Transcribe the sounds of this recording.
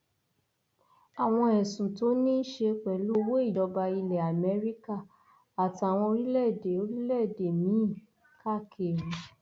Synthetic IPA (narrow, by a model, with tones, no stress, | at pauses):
a˨w̃ɔ̃˧ɛ˨sũ˨to˨˦nĩ˦ʃe˧k͡pɛ˨lo˦wo˦i˦˨dɔ˧ba˧i˧lɛ˨a˨mɛ˨˧˦ɾi˦ka˦˨ | a˨ta˨w̃ɔ̃˧o˧ɾi˦lɛ˦˨de˨o˧ɾi˦lɛ˦˨de˨mĩ˨˦˨ | ka˦˨kʰe˨ɾu˨˦